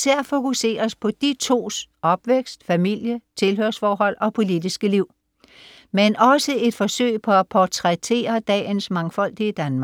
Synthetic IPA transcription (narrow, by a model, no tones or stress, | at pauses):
sæɐ̰fo̝kuse̝̰ːɐspʰɒ̽d̥it͡sʰo̝̰ːsʔɒ̽b̥ʋeɡ̥sd̥fæmil̰jət͡sʰe̝lɦøɐsfɒːɦɒ̽l̰ɒ̽pʰo̝lid̥isɡ̥əliʊ̰ | menɒ̽səe̝d̥fɒ̽sø̰ɪpʰɒ̽æpʰɒt͡sʰʁɛt͡sʰe̝̰ːɐd̥ɛ̰ːnsmɑ̈ŋfɒ̽l̰d̥iəd̥ænmɑ